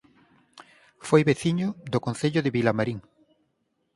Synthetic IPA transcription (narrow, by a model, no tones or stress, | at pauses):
fojβeθiɲʊðokonθeʎʊðeβilamaɾiŋ